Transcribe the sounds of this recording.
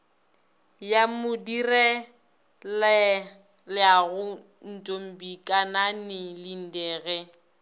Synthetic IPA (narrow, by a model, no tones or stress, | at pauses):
jamʊdirɛ | lɛ | lɪaɣʊ | n̩tʼom̩bikʼananɪlin̩dɛːɣɛ